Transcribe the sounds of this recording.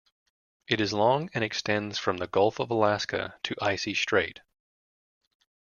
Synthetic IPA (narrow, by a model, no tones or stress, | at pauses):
ɨɾɨzlɔ̃ŋɨ̃ñɨkstɛ̃ndz̥fɹʌ̃mðəɡʌlˠfʌvəlæskə̰tʰɨʔaɪsistɹ̥eɪt̚